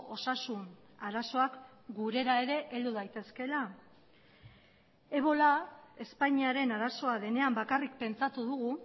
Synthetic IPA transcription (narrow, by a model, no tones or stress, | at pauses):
o̞sasun | aɾaso̞akɡuɾe̞ɾae̞ɾe̞ʔeld̪uðajt̪e̞ske̞la | e̞β̞o̞lae̞spaɲiaɾe̞naɾaso̞aðe̞ne̞ambakarik̚pe̞nt͡sat̪uðuɣu